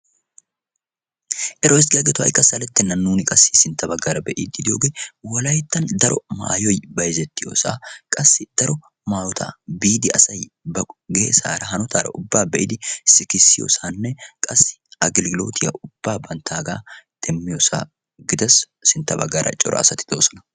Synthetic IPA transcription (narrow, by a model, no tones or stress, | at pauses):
ʔɛɾosɡɐɡɛt̪wɐ̰jkʼːɐsɐlɛt̪ːɛnɐnːuːnɪkʼɐsːɪsɪnt̪ːɐbɐɡɐɾɐbɛʔḭːd̪ɪd̪ɪjoːɡewɐlɐjt̪ːɐnd̪ɐɾɔma̰ːjɔjbɐjzɛt̪ːɪjo̰ːsa̰ːkʼɐsːɪd̪̥ɐɾɔ | maːjɔt̪ʰa̰biːd̪ɪɐsɐj | bɐɡeːsa̰ːɾɐɦɐnɔt̪ʰaːɾɐ̰ʔʊbːaːbɛʔɪd̪ɪsɪkɪsːɪjo̰ːsaːnːɛkʼɐsːɪ̥ɐɡɪlɡɪlo̞̰ːt̪ʰɪjɐ̰ʔʊb̥ːaːbɐnt̪ʰaːɡaːd̪̥ɛmːɪjosa̰ː | ɡɪd̪ɐs | sɪnt̪ːɐbɐ̰ɡaːɾɐ̰t͡ʃʼɔ̰ɾɔ̰ːsɐt̪ɪ̥d̪o̞ːsɔnɐ̥